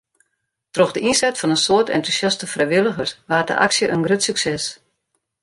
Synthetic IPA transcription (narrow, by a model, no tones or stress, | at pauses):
troxdəʔinsɛtfɔnənsoərtʰɛ̰ntusjastəfrɛjʋɪlˠəɣərsʋaːtdə̰ʔa̰ksjəʔənɡrøtsyksɛs